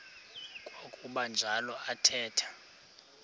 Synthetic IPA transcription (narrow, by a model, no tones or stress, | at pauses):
kʼwokʼuɓand͡ʒʱalɔʔatʰɛːtʰḁ